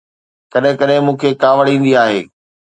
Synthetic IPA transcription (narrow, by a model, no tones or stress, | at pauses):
kɐɗɦɪ̃kɐɗɦɪ̃mũːkʰekaːʋəɽĩːnd̪iaːɦḛː